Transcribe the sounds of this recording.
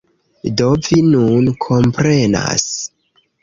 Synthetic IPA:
do̞vinunkʰo̞mpɾena̰s

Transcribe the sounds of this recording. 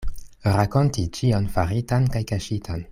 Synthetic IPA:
ɾako̞ntit͡ʃionfaɾitankajkaʃitʰan

